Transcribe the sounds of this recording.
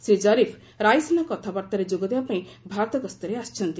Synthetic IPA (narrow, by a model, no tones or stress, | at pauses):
sɾid͡ʒɔɾipʰ | ɾajsɔnakɔt̪ʰabaɾt̪aɾed͡ʒoɡɔd̪ebapaĩbʱaɾt̪ɔɡɔst̪ɔɾeast͡ʃʰɔnt̪i